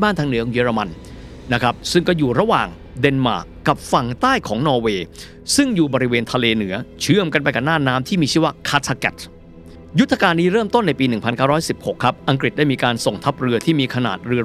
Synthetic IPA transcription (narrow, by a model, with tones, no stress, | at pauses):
baː˥˩nt̪ʰa˧˥ŋnɯ˩˦kʰɔ˨˦ŋjiː˦˧˥ɾa˧ma˧n | na˦˥kʰɾa˦˥p̚sɯ˥˩ŋkɔː˥˩juː˨˩ɾa˧wa̰ː˨˩ŋ | de˧nma̰ː˨˩ | kːa˨˩p̚fa˨˩ŋt̪aː˥˩jkʰɔː˩˦ŋnɔː˧weː˧ | sɯ˥˩ŋjuː˨˩bɔː˧ɾi˦˥weː˧nt̪ʰaː˧leː˧nɯ˩˦ɐt͡ɕʰɯ˥˩əmka˧npa˧jka˨˩naː˥˩naː˦˥mt̪ʰiː˥˩miː˧t͡ɕʰɯː˥˩wa˦˥kʰa˦˥t̪ʰːa˧kɛ̰˨˩t̪̚ | ju˦˥t̪ʰːa˧kaː˧nːiː˦˥ɾɤː˥˩mt̪o˥˩nːa˧jpiː˧nɯ˨˩ŋpʰa˧nkaː˥˩ɾɔː˦˥jsi˨˩p̚ho˨˩kʰɾa˦˥p̚ʔa˧ŋkɾi˨˩t̪̚daː˥˩jmiː˧kaː˧nso˨˩ŋt̪ʰa˦˥p̚ɾɯ˧ɐt̪ʰiː˥˩miː˧kʰa˧na̰ː˨˩t̪̚ɾɯ˧ɐ